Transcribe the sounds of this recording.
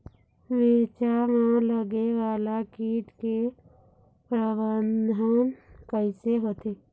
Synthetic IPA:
ʋiɾt͡ʃamãləɡeʋaːlakiːʈke | pɾəʋənd̪ʱəkəɪseɦoːt̪eː

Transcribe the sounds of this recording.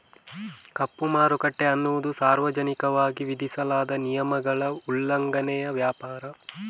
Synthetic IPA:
kɐpːumaːɾukɐʈːeɐnːuʋud̪usaːɾʋɐd͡ʒɐnikɐʋaːɡiʋid̪ʱisɐlaːd̪ɐnijɐmɐɡɐɭɐulːɐŋɡɐnɛjɐʋjaːpaːɾɐ

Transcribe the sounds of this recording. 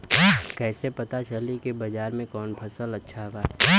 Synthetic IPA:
kɛːsepɐt̪at͡ʃəlikibɐd͡ʒaːɾmẽkɔːnpʰɐsəlɐtːʃʰaɦɡaː

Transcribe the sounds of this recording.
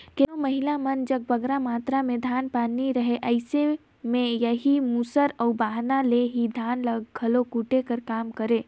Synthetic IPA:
kɪoməɦɪlamɐnd͡ʒɐɡ̚bɐɡɾamaːt̪ɾamẽd̪ʱaːnpaːniɾəɦeʔəɪse | mẽjəɦimusəɾəːbaːɦnaleɦid̪ʱaːnləɡɡʱɐlokuʈekəɾkaːmkəɾeː

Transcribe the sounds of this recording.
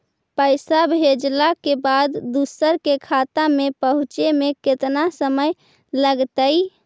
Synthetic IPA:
pəɪsabʱed͡ʒlakebad̪d̪usəɾkekʰat̪amepəɦut͡ʃemeket̪nasəməj | ləɡt̪əj

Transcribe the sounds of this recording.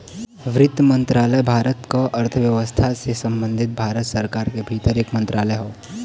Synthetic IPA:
ʋɾɪd̪mə̃nt̪ɾaːləjbʱaːɾət̪koʔɐɾt̪ʰəʋjəʋəst̪ʰasesə̃mbə̃nd̪ʱɪt̪̚bʱaːɾət̪səɾkaːɾkebʱiːt̪əɾeːkmə̃nt̪ɾʔaːləjɦoː

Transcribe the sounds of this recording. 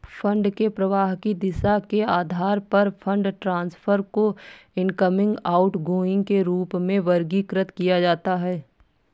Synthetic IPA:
fʰə̃ɳɖkepɾɐʋaːɦkid̪ɪsakeaːd̪ʱaːɾpɐɾpʰə̃ɳɖʈɾãːnsfʰəɾkoɪ̃nkəmɪ̃ŋɡaːʊʈɡoːɪ̃ŋɡkeɾuːpmẽʋɐɾɡikɾət̪kijad͡ʒaːt̪aɦɛː

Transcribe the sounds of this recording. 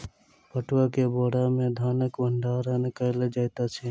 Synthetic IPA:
pəʈwaːkeːboːɽaːmẽːd̪ʱaːnəkbəɳɖʱaːɾaːnəkəled͡ʒajt̪aːt͡ʃʰeː

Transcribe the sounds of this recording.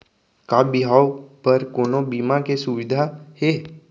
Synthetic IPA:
kabɪɦaːwpɐɾkoːnõbiːmakesʊʋɪd̪ʱahe

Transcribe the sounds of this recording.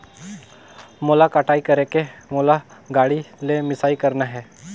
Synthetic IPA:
moːlakaːʈʰaːikɐɾekemoːlaɡaːɽilemɪsaːikɐɾnaɦɛː

